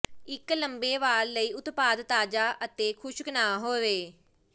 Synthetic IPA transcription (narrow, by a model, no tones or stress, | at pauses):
ɪkləmbeːʋaːɾːəiːʊt̪paːd̪t̪aːd͡ʒaːʔət̪eːkʰʊʃɡənaːɦoːʋeː